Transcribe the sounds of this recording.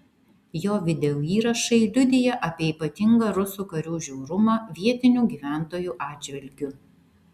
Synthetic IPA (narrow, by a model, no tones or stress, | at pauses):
joːʋʲɪd̪ʲɛuːiːɾɐʃɐɪlʲʊd̪ʲɪjɛʔɐpʲiɛiːpɐt̪ʲɪŋɡɐːɾʊsuːkɐɾʲuːʒʲɛʊɾʊmɑːʋʲiɛt̪ʲɪnʲuːɡʲiːʋʲæˑnt̪oːjuːʔɑːdd͡ʒʲʋʲɪlʲɡʲʊ